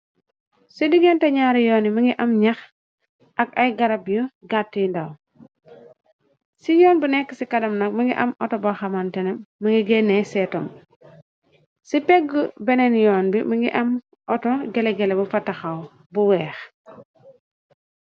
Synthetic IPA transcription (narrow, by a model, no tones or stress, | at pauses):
sidiɡentaɲaɾjonimiŋɡiʔamɲax | akajɡaɾabjuɡatːindaw | sijɔːnbunekːisikadɐmnak̚miŋɡiʔamɔ̰tobaxamantenemiŋɡiɡenːesɛtom | sipeɡubenenjɔːnbimiŋɡḭʔam | ʔotoɡeleɡelebufatːaxaw | buwɛːx